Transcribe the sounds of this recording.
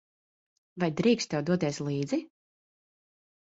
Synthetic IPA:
vajd̪ɾiːkst̪ɛwd̪uɔt̪iɛslˠiːd̪zi

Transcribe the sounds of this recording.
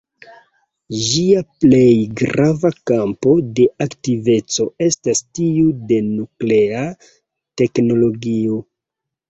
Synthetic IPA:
d͡ʒiaple̞jɡɾavakampo̞de̞ʔaktive̞t͡so̞e̞stastiude̞nuklea | te̞kno̞lo̞ɡio

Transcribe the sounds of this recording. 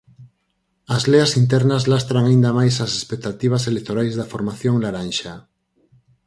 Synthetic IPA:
azleasint̪ɛɾnazlast̪ɾaŋaind̪amajsasespek̚t̪at̪iβ̞aselek̚t̪oɾajzðafoɾmaθjoŋlaɾanʃa

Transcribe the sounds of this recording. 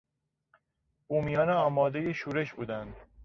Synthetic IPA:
uːmijɒːneɒːmɒːd̪ejeʃuːɾe̞ʃbuːd̪ænd̪

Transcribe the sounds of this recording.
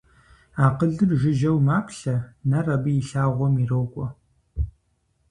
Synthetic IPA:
aːqəɮɨrʒɪʒɐwmaːpʰɬɐnɐrɐbɨjiɬaːʁʷɔmirɐwkʷʼɔ

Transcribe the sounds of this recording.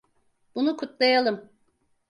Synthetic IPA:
b̥unukʰut̪lˠajalˠɯm

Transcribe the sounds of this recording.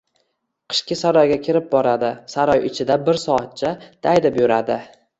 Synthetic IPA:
qʰɨ̥ʃkʲɪsaɾɒjɡʲakʲʰɪɾɪp̚bɒɾad̪ɪsaɾɒjɪt͡ʃʰɪd̪abɪɾsɒat̪̚t͡ʃʰad̪̥ajd̪ɪpjʊɾad̪ɪ

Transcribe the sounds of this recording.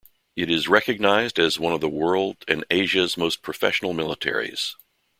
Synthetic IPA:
ɨɾɪzɹɛkɨɡ̚naɪzdɨzwʌ̃nʌvðəwɜ˞lˠdɨ̰̃neɪʒɨzmoʊspʰɹ̥ɨfɛ̰ʃn̩l̩ˠmɪlˠətʰɛ̰ɹḭz̥

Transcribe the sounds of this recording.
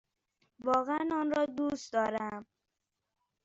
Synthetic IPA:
bɔːɣanɔnɾɔd̪us̚d̪ɔɾam

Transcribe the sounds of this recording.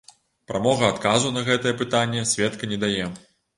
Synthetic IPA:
pɾamɔɣɐːt̪kazunɐɣɛt̪ɐjɛpɨt̪anʲːɛsʲvʲɛt̪kɐnʲɛd̪ajɛ

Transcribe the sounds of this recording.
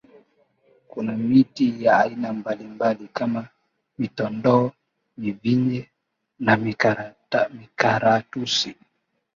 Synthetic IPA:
kunamitijaːinambalimbalikama | mitɔndɔ | miviɲɛ | nam | mikaɾatusi

